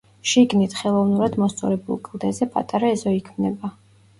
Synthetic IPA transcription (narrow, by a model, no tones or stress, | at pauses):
ʃiɡnit̪ʰχɛlˠɔvnuɾad̪mɔst̪sʼɔ̰ɾɛbṵlˠkʼlˠd̪ɛzɛpʼa̰t̪ʼaɾaɛzɔikʰmnɛba